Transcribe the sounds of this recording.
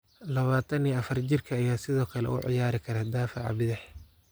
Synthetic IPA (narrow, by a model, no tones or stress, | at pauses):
lɐβaːt̪ʰɐniɐfɐrt͡ʃɪrkʰɐːjaːsɪðɔːkʰɐlɛ̰ʊ̰ʕɪ̰jaːɾɪkʰɐɾɛd̪aːfɑ̰ʕɑ̰bɪðɛħ